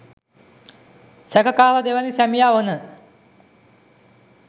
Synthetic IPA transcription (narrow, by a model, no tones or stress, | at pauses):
sɐkʰɐkaːlɐd̪eʋɐnisɐmjaʋonɨ